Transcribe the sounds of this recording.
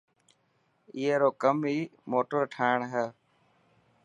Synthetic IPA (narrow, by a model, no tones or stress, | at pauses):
iːeːɾoːkəmɦiːmoːʈəɾʈʰaːɪɳɦɛː